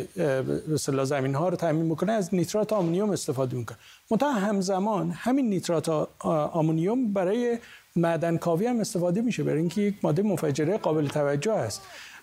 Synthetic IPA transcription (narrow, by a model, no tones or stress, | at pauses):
best̪elɒːzæmiːnɦɒːɾot̪ʰæmiːnbikoneæznit̪ɾɒːt̪ʰɒːmonijome̞st̪e̞fɒːd̪emikʰone | mont̪ʰæhɒɦæmzæmɒːnhæminːit̪ɾɒːt̪ʰɒmunijombæɾɒːje | mæd̪ænkʰɒːviːhæme̞st̪e̞fɒːd̪emiːʃebæɾiŋkʰejecmɒːd̪ːemofæd͡ʒeɾeɡɒːbe̞let̪ʰævæd͡ʒːohhæst̪